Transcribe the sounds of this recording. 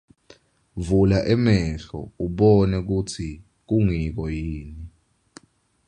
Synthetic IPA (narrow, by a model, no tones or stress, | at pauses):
vulaʔɛmɛɬɔ̰uɓɔnɛk̬ut͡sʰi | k̬uŋik̬ɔjiːni